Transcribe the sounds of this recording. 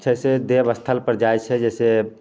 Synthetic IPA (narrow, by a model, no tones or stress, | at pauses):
d͡ʒɛːsed̪eːbəst̪ʰəlpəɾd͡ʒajt͡ʃʰɛd͡ʒɛːse